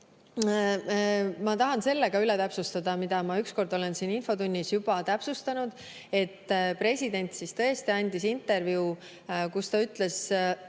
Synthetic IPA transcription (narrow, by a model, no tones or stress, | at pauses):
mɑt̪ɑɦɑnse̞lːe̞ɡ̥ɑylɛt̪æpsust̪ɑd̪̥ɑmid̪̥ɑmɑyksko̞rd̪̥o̞le̞nsiːninfo̞t̪unʲːisjubɑt̪æpsust̪ɑnud̪̥ | e̞t̪ːpre̞sʲid̪e̞nʲt̪sist̪ɤ̞est̪iɑnʲd̪̥isint̪ːˑe̞rvjuu | kust̪ɑyt̪ˑle̞s